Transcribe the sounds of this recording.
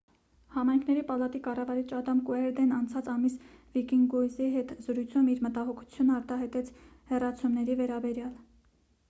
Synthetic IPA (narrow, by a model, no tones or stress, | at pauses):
hɑmɑjŋkʰnɛɾipɑlɑt̪ikɑrɑvɑɾit͡ʃɑd̪ɑmkuɛɾd̪ɛnɑnt͡sʰɑt͡sɑmis | vikiŋɡɡɔjziɦɛt̪zəɾujt͡sʰumiɾmət̪ɑɦɔkʰu̥t͡sʰjunəɑɾt̪ɑɦɑjt̪ɛt͡sʰ | hɛrɑt͡sʰumnɛɾivɛɾɑbɛɾjɑl